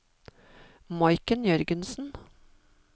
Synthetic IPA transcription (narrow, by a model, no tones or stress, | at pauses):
mɑɪkənjœɾɡənsn̩